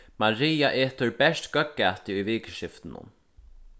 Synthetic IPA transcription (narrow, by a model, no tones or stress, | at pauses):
maɹiːaʔeːt̪ʊɹbɛst̪kœkːaːt̪ɪʊjviːkʃɪft̪ɪnʊ̰n